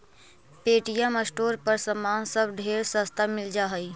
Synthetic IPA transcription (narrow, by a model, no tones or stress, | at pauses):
peːʈijaməsʈoːɾpəɾsəmaːnsəbɖʱeːɾsəst̪amɪld͡ʒaɦəi